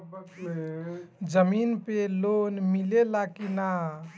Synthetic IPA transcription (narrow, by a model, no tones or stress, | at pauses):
d͡ʒəminpelonmilelakina